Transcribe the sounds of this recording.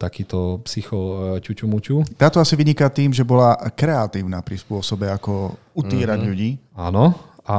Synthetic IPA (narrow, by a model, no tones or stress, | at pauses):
t̪akiːt̪ɔpsixɔcut͡ʃumut͡ʃut̪aːt̪ɔasiʋiɲikat̪iːmʒɛbɔlakɾɛat̪iːʊnaːpɾispʊɔsɔbɛakɔ | ut̪iːɾaɟʎuɟiːaːnɔ | a